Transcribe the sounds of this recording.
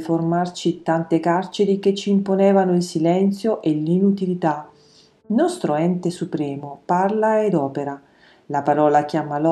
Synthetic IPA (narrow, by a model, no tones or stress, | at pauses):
formart͡ʃit̪ant̪ekart͡ʃeɾiket͡ʃːiːmponɛːvanoilsilɛnt̪sjoʔelinut̪ilit̪a | nɔst̪ɾoɛnt̪esupɾɛːmoparlaed̪ɔːpeɾa | lapaɾɔːlak̟jaːmalɔ